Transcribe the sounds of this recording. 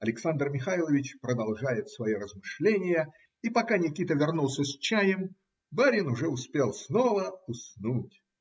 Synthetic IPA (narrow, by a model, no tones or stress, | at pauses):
ɐlʲɪksand̪rmʲɪxajlˠəvʲɪt͡ɕpɾəd̪ɐlˠʐajɪt̪svɐjoɾəzmɨʂlʲenʲɪjə | ipɐkanʲɪkʲit̪əvʲɪrnulˠsʲəsʲt͡ɕæjəm | baɾʲɪnʊʐɛʊspʲe̞lˠsnovəʊsnutʲ